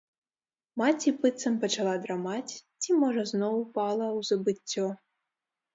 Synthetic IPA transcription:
mat͡sʲipɨt̪sɐmpɐt͡ʃalˠad̪ɾamat͡sʲt͡sʲimɔʐɐznɔwpalˠɐwzɐbɨt͡sʲːɔ

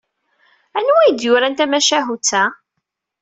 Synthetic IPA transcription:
ænwijd̪jʊɾænt̪æmæʃæɦut͡sːæ

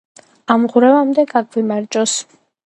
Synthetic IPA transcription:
amʁwɾɛvamd̪ɛɡakʰvimaɾd͡ʒʼɔs

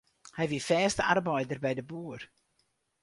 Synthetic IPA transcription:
hɛjvifɛːstəarbœjdərbɛjdəbuːər

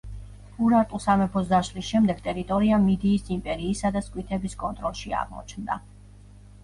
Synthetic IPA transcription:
uɾaɾt̪ʼusamɛpʰɔzdaʃlisʃɛmd̪ɛɡ̚t̪ʼɛɾit̪ʼɔɾiamid̪iːsimpʼɛɾiːsad̪askʼwit̪ʰɛbiskʼɔnt̪ʼɾɔlˠʃia̰ʁmɔ̰t͡ʃʰnd̪a̰

